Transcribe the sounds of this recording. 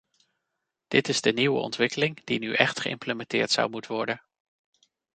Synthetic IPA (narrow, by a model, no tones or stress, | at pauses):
d̥ɪtɪzdəniwə̰ɔ̰ntʋɪkəlɪŋdinyʔɛχtχəʔɪ̰mpləmɛntɪːɹtsʌ̰wmutʋɔɹdən